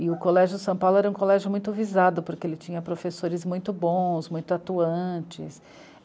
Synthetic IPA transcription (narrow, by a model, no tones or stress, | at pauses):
ɪʊkolɛʒjʊsɐ̃pawlʊɛɾɐũkolɛʒjʊmũj̃t̪ʊvizad̪ʊpoɾkeelɪt͡ʃĩɲɐpɾofesoɾɪzmũj̃t̪ʊbõsmũj̃t̪ʊat̪uɐ̃t͡ʃɪ̰s